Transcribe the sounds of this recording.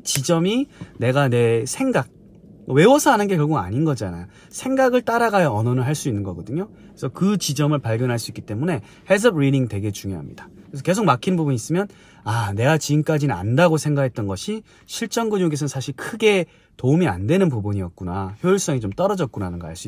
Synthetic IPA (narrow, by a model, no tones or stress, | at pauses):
t͡ɕid͡ʑʌmine̞ɡane̞sʰe̞ŋɡak̚ | ʌwe̞wʌsʰʌanɯnɡekjʌɭɡuɡa̰ɲinɡʌd͡ʑiana̰jo | sʰe̞ŋɡaɡɯɭt͈aɾaɡajʌʌnʌnɯɭɦaɭs͈uinːɯnɡʌɡʌdɯɲo | esʰʌkɯt͡ɕid͡ʑʌmɯɭpaɭɡjʌnɦaɭs͈uik͈ːi̥t͈e̞mune̞ | hes̬ʰɯbɾidiŋtwe̞ɡe̞t͡ɕuŋjoɦa̰mɲḭd̥ḁɾes̬ʰʌke̞s̬ʰok̚makʰinbubuɲis͈ɯmjʌn | ane̞ɡat͡ɕiɡɯmk͈ad͡ʑinɯna̰ndaɡosʰe̞ŋɡakʰe̞t̚t͈ʌnɡʌɕʰi | ɕʰiɭt͡ɕ͈ʌŋɡɯɲjoɡes̬ʰʌnsʰaɕʰiɭkʰɯɡe̞ | toumia̰ndwenɯnpubuɲiʌk̚k͈unaçjoiɭs͈ʌŋit͡ɕomt͈ʌɾʌd͡ʑʌt̚k͈unanɯnɡʌ̰haɭs͈ui